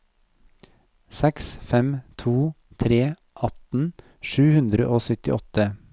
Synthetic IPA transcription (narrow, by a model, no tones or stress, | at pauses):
sɛksfɛmt̪ʰuː | t̪ʰɾeː | ʔɑt̪n̩ | ʃʉːhʉnd̪ɾəʔoːsœt̪ɪ̰ʔɔt̪ə